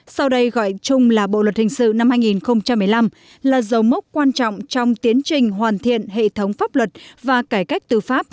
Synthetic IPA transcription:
sa˧wɗə˧jɣɔ̰˧˨jt͡ɕʊ˧ŋ͡mlaː˨˩ɓo̰˧˨lwə˨˩t̚hï˨˩ŋ̟sɨ̰˧˨na˧mhaː˧jŋi˨˩nxə˧wŋ͡mt͡ɕa˧mːɨ˨˩əjla˧m | laː˨˩zə˨˦wm˦˥k͡p̚kwaː˧nt͡ɕɔ̰˧˨wŋ͡mt͡ɕɔ˧wŋ͡mt̪i˨˦ənt͡ɕï˨˩ŋ̟ɦwaː˨˩nt̪ʰḭ˧˨ənɦḛ˧˨t̪ʰə˨˦wŋ͡mfaː˦˥p̚lwə˨˩t̚vaː˨˩kaː˧˩jka˦˥jk̟̚t̪ɨ˨˩faː˦˥p̚

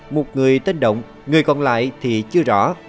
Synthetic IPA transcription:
mo˨˩t̚ŋɨ˨˩əjt̪ə˧nɗə̰˧˨wŋ͡m | ŋɨ˨˩əjkɔ˨˩nla̰ː˧˨jt̪ʰi˨˩t͡ɕɨ˧əzɔ̰˧˥

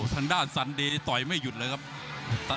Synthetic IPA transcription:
t̪ʰaː˧ŋdaː˥˩nsa˧ndeː˧t̪ɔ˨˩jma˥˩jːu˨˩t̪̚lɤː˧jkʰa˦˥p̚ | t̪

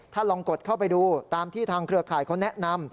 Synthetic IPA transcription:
t̪ʰaː˥˩lɔː˧ŋko˨˩t̪̚kʰa˥˩wp̬a˧jduː˧t̪aː˧mt̪ʰiː˥˩t̪ʰaː˧ŋkʰɾɯ˧ɐkʰaː˨˩jkʰa˦˥wnɛ˦˥ʔna˧m

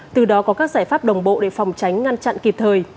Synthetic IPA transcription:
t̪ɨ˨˩ɗɔ˨˦kɔ˨˦kaː˦˥k̚zaː˧˩jfaː˦˥p̚ɗə˨˩wŋ͡mɓo̰˧˨ɗe˧˩fa˨˩wŋ͡mt͡ɕa˨˦jŋ̟ŋa˧nt͡ɕa̰˧˨nki˨˩p̚t̪ʰəː˨˩j

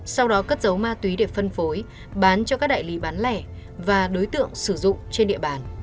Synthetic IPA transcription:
sa˧wɗɔ˨˦kə˦˥t̚zə˨˦wmaː˧t̪wi˨˦ɗe˧˩fə˧nfo˨˦j | ɓaː˨˦nt͡ɕɔ˧kaː˦˥k̚ɗa̰˧˨jli˨˦ɓaː˨˦nlɛ˧˩ | vaː˨˩ɗo˨˦jt̪ɨ̰˧˨əŋsɨ˧˩zʊ̰˧˨ŋ͡mt͡ɕe˧nɗḭ˧˨əɓaː˨˩n

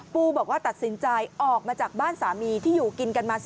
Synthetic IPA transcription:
puː˧bɔː˨˩k̚waː˥˩t̪a˨˩t̪̚si˨˩˦nt͡ɕa˧jʔɔː˨˩k̚maː˧t͡ɕaː˨˩k̚baː˥˩nsaː˩˦miː˧t̪ʰiː˥˩juː˨˩ki˧nka˧nmaː˧s

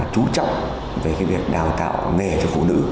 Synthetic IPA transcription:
t͡ɕu˨˦t͡ɕɔ̰˧˨wŋ͡mʔ | ve˨˩kaː˨˦vi˨˩ək̚ɗaː˨˩wt̪a̰ː˧˨wŋe˨˩t͡ɕɔ˧˩fṵ˧˨nɨ̰˧˥

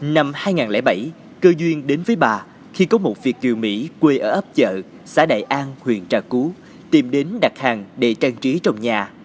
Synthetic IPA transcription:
na˧mhaː˧jŋaː˨˩nlɛ̰˧˩ɓə˧˩j | kəː˧zwi˧ənɗe˨˦nvəː˨˦jɓaː˨˩ | xi˧kɔ˨˦mo˨˩t̚vi˨˩ək̚ki˨˩wmḭ˧˥kwe˧ʔəː˧˩ʔə˦˥p̚t͡ɕə̰ː˧˨ | sa̰ː˧˥ɗa̰ː˧˨jʔaː˧nhwḭ˧˨˩ənt͡ɕaː˧˨˩ku˨˦ | t̪i˨˩mɗe˨˦nɗa˨˩t̚haː˨˩ŋɗḛ˧˩t͡ɕaː˧ŋt͡ɕi˨˦t͡ɕɔ˧wŋ͡mɲaː˨˩

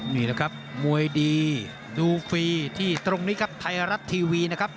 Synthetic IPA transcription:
niː˥˩lɛː˦˩kʰa˦˥p̚mu˧əjdiː˧ | duː˧fiː˧t̪ʰiː˥˩t̪ɾo˧ŋniː˦˥kʰa˦˥p̚t̪ʰa˧jɾa˦˥t̪ʰːiː˧wiː˧na˦˥kʰp̚

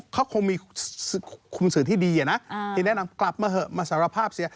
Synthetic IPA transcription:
kʰa˦˥wkʰo˧ŋmiː˧˨˩ | kʰu˧msɯː˩˦t̪ʰiː˥˩diː˧ʔa˨˩na˦˥ʔt̪ʰiː˧˩nɛ˦˥na˧mkla˨˩p̚maː˧ɦɤ˧˩maː˧sa˨˦ɾa˧pʰaː˥˩p̚si˨˦

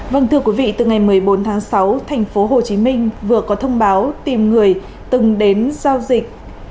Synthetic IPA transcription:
və˧ŋt̪ʰɨ˧əkwi˨˦vḭ˧˨t̪ɨ˨˩ŋa˨˩jmɨ˨˩əjɓo˨˦nt̪ʰaː˨˦ŋsa˨˦wt̪ʰa˨˩jŋ̟fo˨˦ɦo˨˩t͡ɕi˨˦mï˧ŋ̟vɨ˨˩əkɔ˨˦t̪ʰə˧wŋ͡mɓaː˨˦wt̪i˨˩mŋɨ˨˩əj | t̪ɨ˨˩ŋɗe˨˦nzaː˧wzï˨˩k̚

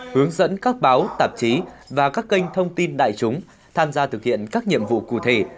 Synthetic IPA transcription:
hɨ˨˦əŋzə̰˧˥nkaː˦˥k̚ɓaː˨˦wt̪aː˨˩p̚t͡ɕi˨˦vaː˨˩kaː˦˥kːi˧jŋ̟t̪ʰə˧wŋ͡mt̪i˧nɗa̰ː˧˨jt͡ɕʊ˨˦ŋ͡m | t̪ʰaː˧mzaː˧t̪ʰɨ˨˩k̚hḭ˧˨ənkaː˦˥k̚ɲḭ˧˨əmvṵ˧˨kṵ˧˨t̪ʰe˧˩

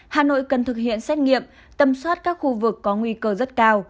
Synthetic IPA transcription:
haː˨˩no̰˧˨jkə˨˩nt̪ʰɨ˨˩k̚hḭ˧˨ənsɛ˦˥t̚ŋḭ˧˨əm | t̪ə˨˩mswaː˦˥t̚kaː˦˥k̚xu˧vɨ˨˩kːɔ˨˦ŋwi˧kəː˧zə˦˥t̚kaː˧w

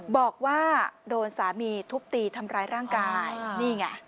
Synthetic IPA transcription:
bɔː˨˩k̚waː˥˩doː˧nsaː˩˦miː˧t̪ʰu˦˥p̚t̪iː˧t̪ʰa˧mɾaː˧˥jɾaː˥˩ŋkaː˧jniː˥˩ŋa̰˦˥˩

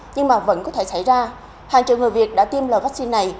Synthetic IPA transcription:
ɲɨ˧ŋmaː˨˩və̰˧˥nkɔ˨˦t̪ʰe˧˩sa˧˩jzaː˧ | haː˨˩ŋt͡ɕṵ˨˩ŋɨ˨˩jvi˨˩ət̚ɗa̰ː˧˥t̪i˧əmləː˨˩vaː˦˥k̚si˧nːa˨˩j

